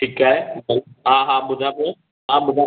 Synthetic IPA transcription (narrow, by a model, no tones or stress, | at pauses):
ʈʰikaːɦeɦãːɦãːɓʊd̪ʱãpo | ɦãɓʊd̪ʱã